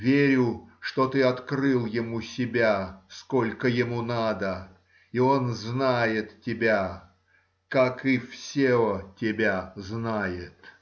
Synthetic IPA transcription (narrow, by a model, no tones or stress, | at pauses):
vʲeɾʲʊʂt̪o̞t̪ɨɐt̪krɨlˠjɪmusʲɪbʲasko̞lʲkəjɪmunad̪ə | io̞nznajɪt̪tʲɪbʲa | kakɪfsʲeotʲɪbʲaznajɪt̪